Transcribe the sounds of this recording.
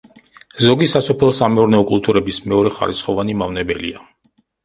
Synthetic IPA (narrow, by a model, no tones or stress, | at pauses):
zɔɡisasɔpʰɛlˠsamɛuɾnɛɔkʼulˠt̪ʼuɾɛbismɛɔɾɛχa̰ɾit̪sχɔvanimavnɛbɛlḭa